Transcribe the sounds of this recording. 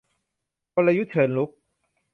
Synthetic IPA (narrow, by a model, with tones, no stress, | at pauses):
po˧la˧ju˦˥t͡ɕʰɤː˨˧˩nlu˦˥k̚